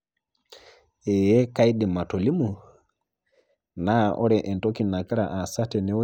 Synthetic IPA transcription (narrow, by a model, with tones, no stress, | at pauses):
ɛ˨jɛ˦ka˦i˦ɗi˨ma˨to˨li˦mu˨ | na˦ʔo̰˦ɾɛ˨ʔɛ˨nto˦ki˨na˨ki˦ɾa˨ʔa˨sa˦tɛ˨nɛ˨˦